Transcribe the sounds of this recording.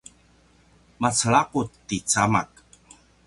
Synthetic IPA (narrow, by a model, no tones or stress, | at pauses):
mat͡səɭaqut̪ːit͡samak̚